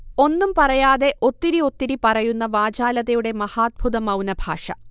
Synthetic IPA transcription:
o̞nːumpɐrɐjaːðe̞ʔo̞t̪ːiɾio̞t̪ːiɾipɐrɐjunːɐʋaːd͡ʑaːlɐðɐjuɽe̞mɐhaːd̪̚bʱuðɐmɐwnɐbʱa̰ːʂɐ̰

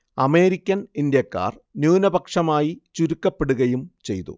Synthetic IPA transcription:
ɐme̞ːɾikʲːɐnind̪jɐkːa̰ːr | njuːnɐbɐkʂɐmaːjit͡ɕuɾukːɐpːe̞ɽuɣɐjumt͡ɕe̞̰jt̪ṵ

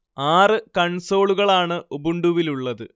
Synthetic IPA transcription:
aːrɨkɐɳso̞ːɭuɣɐɭaːɳɨʔobuɳɖuʋiluɭːɐðɨ

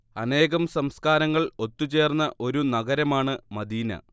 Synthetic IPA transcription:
ɐne̞ːɣɐmsɐmskaːɾɐŋːɐɭo̞t̪ːut͡ɕe̞ːrnːɐʔo̞ɾunɐɣɐɾɐmaːɳɨmɐd̪iːnɐ̰

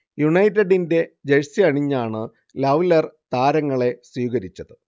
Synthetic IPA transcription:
juɳɐjtːeɖinde̞d͡ʑeɻsiɐɳiɲːaːɳɨ | lɐʋlɐrt̪aːɾɐŋːɐɭe̞swiːɣɐɾit͡ɕːɐðɨ

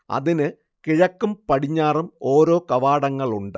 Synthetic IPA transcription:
ɐ̰ðinɨ | kiɻɐkːumpɐɽiɲːaːrumo̞ːɾo̞ːkɐʋaːɽɐŋːɐɭuɳɖɨ

